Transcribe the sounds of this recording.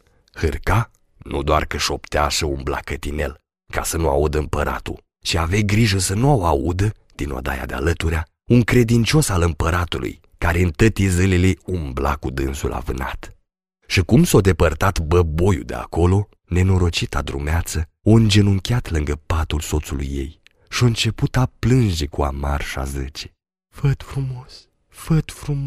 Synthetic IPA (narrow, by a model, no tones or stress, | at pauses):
hɨrka | nud̪oarkəʃo̞pt̪eaʃəumbla̰kət̪ine̞̰l | kasənua̰ud̪əɨmpəɾʔa̰t̪ṵl | ʃiavejɡɾiʒəsənuawoaud̪ə | d̪̥ino̰d̪aja̰d̪ea̰lət̪uɾea | uŋkɾe̞d̪int͡ʃo̞salɨmpəɾat̪ulṵj | kaɾeɨnt̪ət̪izɨleleumbla̰kud̪ɨnsulʔa̰vɨna̰t̪ | ʃikumsawd̪e̞pərt̪at̪bəbo̞jṵd̪ea̰ko̞lo̞ | ne̞no̞ɾo̞t͡ʃit̪ad̪ɾṵmeat̪sə | oɨnd͡ʒenuŋkʲeat̪lɨŋɡəpat̪ulso̞t̪sulṵjːe̞̰j | ʃioɨnt͡ʃe̞put̪aplɨnd͡ʒe̞kua̰marʃa̰zɨt͡ʃe̥ | fət̪fɾumos | fət̪fɾu